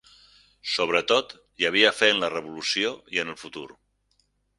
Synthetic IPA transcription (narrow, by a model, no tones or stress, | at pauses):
soβ̞ɾət̪ot̪ | jəβ̞iəfenlərəβulusioiənəlˠfut̪uɾ